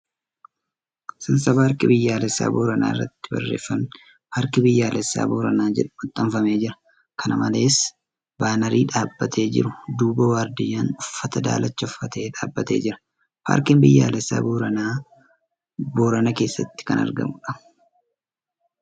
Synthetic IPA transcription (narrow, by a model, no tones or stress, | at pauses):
sɐnsɐbaːɾkɪbɪjːaːlɛsːa̰ːboːɾɐna̰ːɪrːɐ̰t̪ːɪbɐ̰rːe̞ːfːɐn | pʰaːɾkɪbɪjːaːlɛsːa̰ːboːɾɐnaːd͡ʒɛᶑʊ̥mʊt̪ʼːɐɱfɐme̞ːd͡ʒɪɾɐ̥ | kʰɐnɐmɐle̞ːs | baːnɐɾiːᶑaːbːɐt̪ʰe̞ːd͡ʒɪ̰ɾʊd̪uːbɐwaːɾd̪ɪjaːnʊfːɐt̪ɐd̪a̰ːlɐt͡ʃːɐʊfːɐt̪ʰe̞ːᶑaːbːɐt̪e̞̰ːd͡ʒɪɾɐ̥ | pʰa̰ːɾkɪmbɪjːa̰ːlɛsːa̰ːboɾɐnaː | boːɾɐnɐke̞ːsːɐt̪ːɪ̥kɐnɐ̰ɾɡɐ̰mʊᶑɐ̥